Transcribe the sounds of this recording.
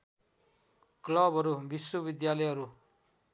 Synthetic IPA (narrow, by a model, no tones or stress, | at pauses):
klʌbʱʌɾubiswʌbid̪jalʌjɦʌɾu